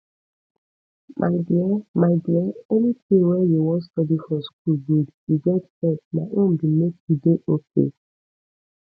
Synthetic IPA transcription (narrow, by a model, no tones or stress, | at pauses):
mʔaɪdiamaɪdiaɛnitʰẽwɛjuwɔ̃nstɔdifɔsk̚ulɡudjiɡɛtɛt̚maʔõmbimektudeʔokʰḛ